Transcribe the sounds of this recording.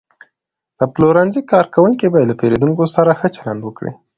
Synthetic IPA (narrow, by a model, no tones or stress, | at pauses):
d̪̥əploɾanzikɑɾkawuŋkibɑjed̪lapeɾed̪uŋkosaɾaxət͡ʃaland̪wəkɽḭ